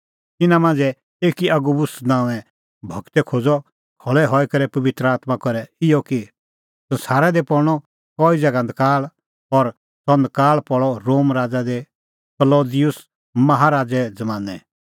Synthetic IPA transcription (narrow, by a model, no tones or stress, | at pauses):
t̪ɪnãmãːnd͡zɛ | eːkiɐɡubʊsnãːũɛ | bʱɐkt̪ɛkʰod͡zɔ | kʰɔɭɛɦɔɛkɐɾɛpɐʋɪt̪ɾəaːt̪makɔɾɛɪjɔki | sɐ̃nsaːɾɛd̪epɔɾɽ̃ɔ | kɔːizɛɡãnd̪kaːl | ɔɾ | sɔ̃nd̪kaːɭpɔɭɔɾoːmɾaːd͡zad̪e | kɐloːd̪ɪjʊs | mɐɦaɾaːd͡zɛd͡zɐmãːnɛ̰